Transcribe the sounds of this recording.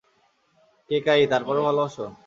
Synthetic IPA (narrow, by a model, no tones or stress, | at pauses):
kekajt̪aɾpɔɾebʱaloaʃo